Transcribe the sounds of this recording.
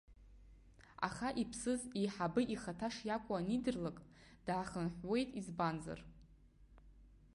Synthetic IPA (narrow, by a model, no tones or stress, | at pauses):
a̰χaʔipʰsɨziħabɨʔiχatʰaʂjakʷʼanidɨrlakʼd̥ʕaχənħʷwe̞jtʼizbanza̰r